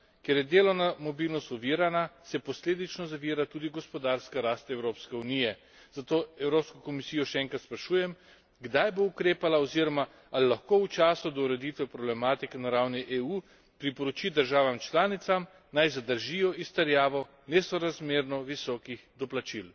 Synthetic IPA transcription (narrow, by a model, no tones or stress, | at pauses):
kjeɾjɛd̪eːlɔnamɔbilnɔst̪uʋiːɾanasɛpɔsleːd̪it͡ʃnɔzaʋiɾat̪uːd̪iɡɔspɔd̪aɾskaɾast̪ɛwɾoːpskɛunijɛ | z̥at̪oːɛwɾoːpskɔkɔmisijɔʃɛɛːŋkɾat̪spɾaʃuːjɛm | ɡd̪ajboukɾeːpalaɔziːɾɔma | alilaxkout͡ʃaːsud̪ɔuɾɛd̪it̪ʋɛpɾɔblɛmaːt̪ikɛnaɾawniʔeuː | pɾipɔɾɔt͡ʃid̪əɾʒaːʋamt͡ʃlaːnit̪sam | najzad̪əɾʒijɔist̪ɛɾjaːʋɔ | nɛsɔɾazmeːɾnɔʋisɔːkixd̪ɔplat͡ʃil